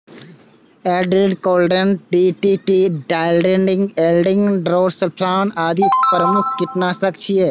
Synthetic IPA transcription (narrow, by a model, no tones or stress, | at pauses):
ɛːɖɾiːɖkoːlɖənʈiːʈiːʈiːɖaːɪlɖẽːɳɖɪ̃ŋɡeːlɖɪ̃ŋɡɖɾoːɾsəlpʰlaːnaːd̪ʱipɾəmʊk̚ʰkɪʈ̪naːsəkt͡ʃʰijeː